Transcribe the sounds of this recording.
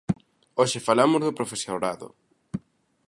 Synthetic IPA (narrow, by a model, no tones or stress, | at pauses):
oʃefalamozðopɾofesjoɾaðo̰